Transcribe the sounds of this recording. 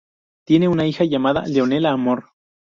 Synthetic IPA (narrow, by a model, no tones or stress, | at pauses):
t̪je̞neunaixaʝamaða̰leonelaːmoɾ